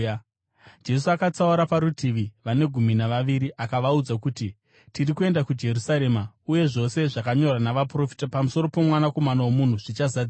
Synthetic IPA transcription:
d͡ʒe̞s̬uakat͡sauɾapaɾutʰiʋiʋane̞ɡʱuminaʋaʋiɾiʔakaʋaud͡zakuti | tirikue̞ndakud͡ʒe̞rusaɾe̞ːma | uje̞ʐo̞se̞ʐakaɲo̞rwanaʋapro̞fi̥tapamuso̞ɾo̞po̞mwanako̞manawomun̤uʐ̥it͡ʃazad͡zi

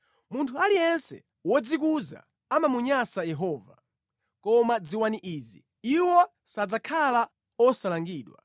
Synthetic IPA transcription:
muntʰualijɛnsɛ̰ | wɔd͡zik̬uza̰ | amamuɲasajɛɦɔːva | kɔmad͡ziwaniʔiːzḭ | iwɔ | sad͡zakʰala | ɔsalaŋɡiːɗwa̰

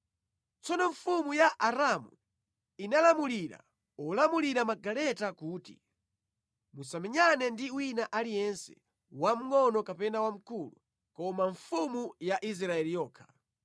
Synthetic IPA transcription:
t͡sɔnɔɱfumujaʔaɾamṵ | inalamuliɾa̰ | ɔlamuliɾamaɡalɛtakuːtḭ | musamɛɲanɛndiwinaʔalijɛnsɛ̥̰ | wam̩ŋɔnɔkapɛnawam̩kulṵ | kɔmaɱfumujaʔis̬ɾaɛlijɔːkʰḁ

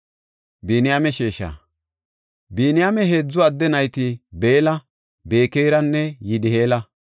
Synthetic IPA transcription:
biːnɪjamɛʃeːʃɐ̰ | biːnɪjaːmɛɦeːd͡zːɔɐd̪ːɛnɐjt̪ɪbe̞ːlɐ | be̞ːkejɾɐnːɛjɪd̪ɪhe̞ːlɐ

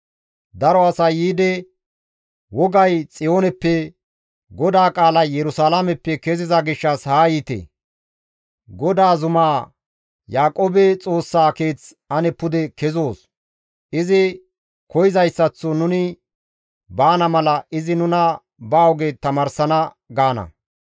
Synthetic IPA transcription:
d̪ɐɾɔɐsɐjiːd̪ɛ | wɔɡɐjt͡sʼɪjo̞ːnɛpːɛ | ɡɔd̪aːkʼaːlɐjjɛɾʊsaːlamɛpːɛkɛzɪzɐɡɪʃːɐshaːjit̪ḛ | ɡɔd̪aːzʊmaː | jaːkʼoːbɛt͡sʼo̞ːsːaːke̞ːt͡s | ɐnɛpːʊd̪ɛkɛzo̞ːs | ʔɪzɪ | kɔjɪzɐjsːɐt͡sːɔnʊnɪ | baːnɐmɐlɐʔɪzɪnʊnɐ | baːwɔɡet̪ɐmaːɾsɐnɐ | ɡaːnɐ̰

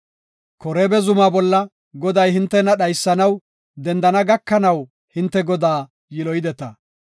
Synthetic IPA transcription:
kɔɾeːbɛzʊmaːbɔlːɐ | ɡɔd̪ɐjhɪnt̪ːɛnɐɗɐjsːɐnɐw | d̪ɛnd̪ɐnɐɡɐkːɐnɐw | hɪnt̪ːɛɡɔd̪aː | jɪlɔjɪd̪ɛt̪ɐ̰

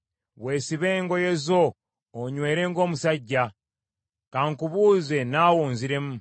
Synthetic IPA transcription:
βwe̞ːsiβeːŋɡojezo̞ː | ɲwe̞ːɾe̞ŋɡo̞ːmusaɟːa | kaːŋkuβuːze̞naːwoːnziɾe̞mu

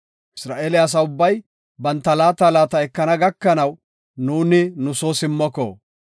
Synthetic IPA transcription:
ʔɪ̥sɾaːʔeːlɛɐs̬ɐʊbːɐj | bɐnt̪ːɐlaːt̪alaːt̪ɐɛkːɐnɐɡɐkːɐnɐw | nuːnɪnʊsoːsɪmːɔkːɔ̰

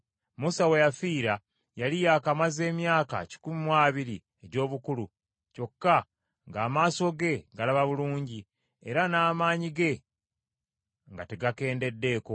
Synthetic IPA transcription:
musawe̞jafiːɾa | jalijaːkamaze̞ːmjaːka̰ci̥kumimwaːβiɾi | eɟo̞ːβukulu | co̞kːa | ŋɡaːmaːso̞ɡe̞ɡalaβaβuluːɲɟi | e̞̰ɾanaːmaːɲiɡe̞ | ŋɡateɡake̞ːnde̞dːe̞ːko̞

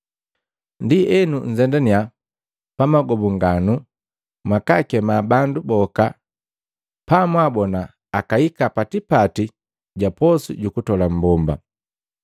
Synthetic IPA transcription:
ndiʔɛnuɲ̩zɛndania | pamaɡɔbuŋɡanu | mwakakɛmabandubɔka | pamwabɔnaː | kaikapatipati | ɟapɔsuɟukutɔlam̩bɔmba̰

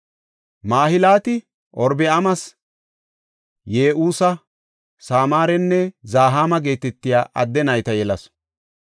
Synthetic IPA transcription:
maːhɪlaːt̪ɪ | ʔɔɾbɪɐmɐs | jeːʔuːsɐ | saːmaːɾɛnːɛzaːɦaːmɐɡe̞ːt̪ɛt̪ːɪjaːʔɐd̪ːɛnɐjt̪ɐjɛlɐs

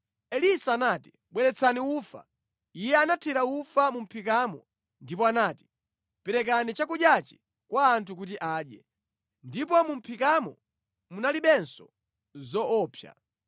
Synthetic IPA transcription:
ɛlisaːnati̥ | ɓwɛɾɛt͡sʰaniuːfa̰ | ijɛanatʰɛɾaufamum̩pʰikamɔ | ndipɔanaːti̥ | pɛɾɛk̬anit͡ʃakuɗjat͡ʃi̥ | kwaːntʰuk̬ut̬iʔaːɗjɛ | ndipɔmum̩pʰikamɔ | munaliɓɛnsɔ̥ | zɔɔːpʰja̰

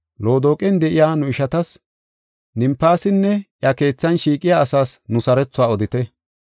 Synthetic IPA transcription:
lo̞ːd̪oːkʼɛnd̪ɛʔɪjaːnʊɪʃɐt̪ɐs | nɪmpːaːsɪnːɛʔjɐke̞ːt͡sːɐnʃiːkʼɪjaːsaːsnʊsɐɾɛt͡sːʊwaːɔd̪ɪt̪ɛ

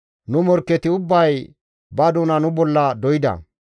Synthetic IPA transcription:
nʊmɔɾkːɛt̪ɪʊbːɐj | bɐd̪ʊnɐnʊbɔlːɐd̪ɔjɪd̪ɐ̰

